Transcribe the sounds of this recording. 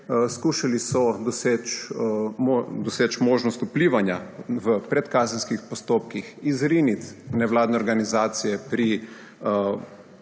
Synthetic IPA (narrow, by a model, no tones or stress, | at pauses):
skuːʃalisɔd̪ɔseːt͡ʃ | mod̪ɔseːt͡ʃmoːʒnɔst̪upliːʋanjaʋəpɾɛt̪kaːzɛnskixpɔst̪oːp̚kixizɾinit̪nɛʋlaːd̪nɛɔɾɡanizaːt̪sijɛpɾi